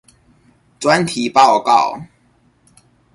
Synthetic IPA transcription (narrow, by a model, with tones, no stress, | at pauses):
t͡swa˦nt̪ʰi˨˩˦pɑ˥˨ʊkɑ˥˨ʊ